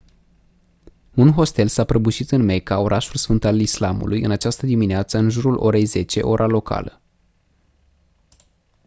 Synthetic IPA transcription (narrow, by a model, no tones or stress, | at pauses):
unɦo̞st̪e̞lsapɾəbuʃit̪ɨnme̞kao̞ɾʔaʃulsfɨnt̪alislamṵlʔujɨ̰nat͡ʃast̪əd̪imineat̪səɨnʒuɾulʔo̞̰ɾe̞jze̞t͡ʃe̞̰ʔo̞ɾʔalo̞kʰa̰lə